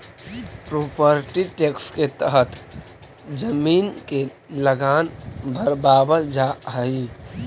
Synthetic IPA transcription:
pɾoːpəɾʈiʈeksket̪əɦət̪ | d͡ʒəmiːnke | ləɡaːnbʱəɾbaːbəld͡ʒaɦəi

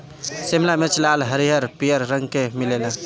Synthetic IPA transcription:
simlamet͡ʃlalɦəɾiɦəɾpijəɾːəŋɡkemilelə̃

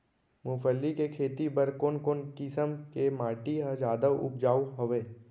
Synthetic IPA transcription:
mʊːfʰəlːikekʰeːt̪ibəɾkoːnkoːnkɪsəmkemaːʈiɦãd͡ʒaːd̪əʔʊ̰p̚d͡ʒaːuɦɐʋeː

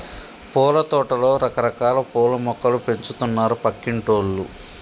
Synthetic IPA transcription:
pɔːlɐt̪ɔːʈɐlo̞ːɾɐkɐɾɐkaːlɐpɔːlɐmɔkɐlupe̞ɲt͡ʃut̪unːaːɾupɐkːiɳʈoːlːu

